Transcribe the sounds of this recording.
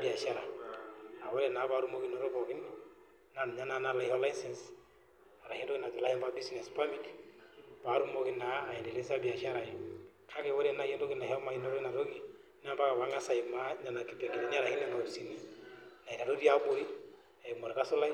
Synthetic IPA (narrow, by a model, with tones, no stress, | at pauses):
bi˨a˨ʃa˦ɾa̰˨ | a˨wɔ˦ɾɛ˨na˨˦pa˦ɾu˦mo˦ki˦nɔ˦ɾɔ˦pɔ˨kɪ˦n | na˨n˨ɲa˦na˦na˦la˨hɔ˦la˦insɛ˨ns | a˨ɾa˨he˦ndo˦kɪ˦na˨d͡ʒu˨la˦jɔ˦mba˦bi˦snɛ˨spa˦mi˦t | pa˨˦ɾu˦mo˦ki˦naː˨ɛ˨nde˨le˦sa˦bi˨a˨ʃa˦ɾa˨i˨ | kʰa˦kɛ˨wɔ˦ɾɛ˦na˨je˦ndo˦kɪ˦na˨ɦɔ˦ma˨i˦nɔ˦ɾi˦na˨ɾo˦ki˨ | n˦a˦mba˦ka˨βa˨˦ŋa˦sa˨i˨ma˦ɲa˨na˨ki˨bja˨ki˨nɛ˨˦ɲa˦ɾa˨hi˦nɛ˦ma˨si˨ni˨na˨i˨ɾa˨ɾo˦ɾa˦bo˦i˦ | a˨ɛ˨kmɔ˨ɾɛ˨ka˦sʊ˦la˦